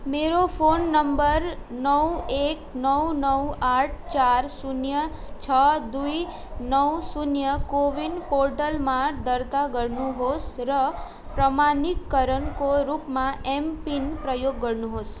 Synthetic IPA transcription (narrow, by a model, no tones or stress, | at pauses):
meɾopʰonːəmbəɾnəweknəwnəwaʈʰt͡ʃaɾsunjə | t͡ʃʰəd̪ui | nəwsunjəkoʋinpoɾʈəlmãd̪əɾt̪aɡəɾnũɦosɾə | pɾəmanikːəɾəɳkoɾupmãempinpɾəjoɡːəɾnũɦos